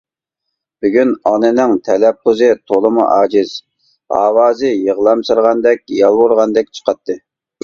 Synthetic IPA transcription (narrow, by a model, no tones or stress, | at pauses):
b̥yɡʲynɑnɨnɪŋt̪ʰɛlɛp̚qʰʊzɨt̪ʰolˠɨmṵʔɑːd͡ʒiz̥ | ɑ̰ːwɑːzɨjəʁlˠɑmsɨɾʁɑnd̪ɛk̚ʲjɑlˠwoɾʁɑnd̪ɛk̚ʲt͡ʃʰə̥qʰɑt̪ːɨ